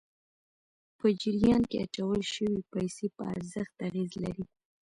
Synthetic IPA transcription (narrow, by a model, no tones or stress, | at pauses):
pəd͡ʒɪɾijɑnkea̰t͡ʃawəlʃəwipajsepə̰a̰ɾzəxt̪aɣezla̰ɾi